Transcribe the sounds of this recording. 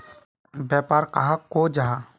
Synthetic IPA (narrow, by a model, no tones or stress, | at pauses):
bjaːpaːɾkaɦakoːd͡ʒaɦa